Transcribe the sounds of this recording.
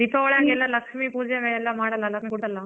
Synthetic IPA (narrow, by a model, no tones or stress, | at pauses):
d̪ipɐʋɐɭjaːŋɡɛlːɐlɐkʂmipuːd͡ʒjɐʋeɛlːɐmaːɽɐlːɐlɐkkuʈɐlːa